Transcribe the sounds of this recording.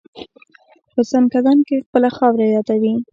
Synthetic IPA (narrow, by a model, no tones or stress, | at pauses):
pəsankad̪ɑnkexpəlaxɑwɾajɑt̪awi